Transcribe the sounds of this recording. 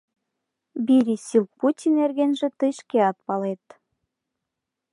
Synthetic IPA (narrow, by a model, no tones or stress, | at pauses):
biɾʲisil̚putʲinerɣenʒĕt̪ɨjʃkeɑt̪̚pɑlet̪